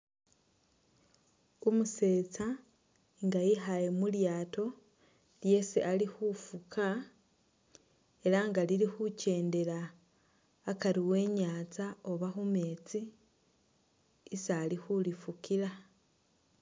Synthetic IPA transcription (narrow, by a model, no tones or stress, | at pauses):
umuse̞ːt͡sa | ŋɡajiɦajemuljaːto̞ | lje̞siʔalixufukʰa | e̞ɾaŋɡaliɾixuce̞ːnde̞ɾaː | kaɾiwe̞ɲaːt͡sao̞βaxume̞t͡si | salixulifukiɾa